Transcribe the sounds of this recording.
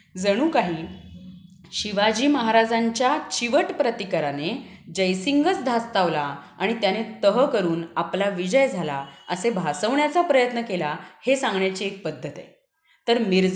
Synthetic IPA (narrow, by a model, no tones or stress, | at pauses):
d͡zəɽ̃uːkaɦiː | ɕiʋad͡ʑiːməɦaɾad͡zaɲt͡ɕjat͡ɕiʋəʈpɾət̪ikəɾaned͡ʑəjsiŋɡət͡sd̪ʱast̪aʋlaːɽ̃it̪janet̪əɦəkəɾuːnaplaʋid͡ʑəjd͡zʱalaəsebʱasəʋɳjat͡sapɾəjət̪nəkelahesãŋɡɳjat͡ɕiek̚pəd̪ʱːət̪a̰j | t̪əɾmiɾd͡z